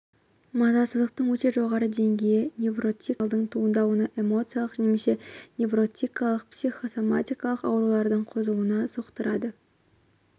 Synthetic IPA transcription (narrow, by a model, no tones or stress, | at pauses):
mɑzɑsəzd̪əq̚t̪əɴwɵt̪e̞ʒo̞ʁɑɾəd̪e̞ŋɡʲe̞jɪnʲe̞vro̞t̪ʲilˠd̪əɴt̪ʰuənd̪ɑwənəʔe̞mo̞t̪sɨjalˠəqʒnemese̞nʲe̞vro̞t̪ʲijkɑlˠəq̚psijχo̞so̞mat̪ijkɑlˠəqɑwɾulˠɑɾd̪əɴqʰozluənɑzoqt̪əɾɑd̪ə